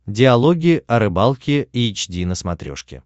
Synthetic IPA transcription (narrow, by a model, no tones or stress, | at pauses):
dʲɪɐlˠoɡʲɪʔɐɾɨbalˠkʲɪiːt͡ɕdʲinəsmɐt̪ɾʲo̰ʂkʲɪ̰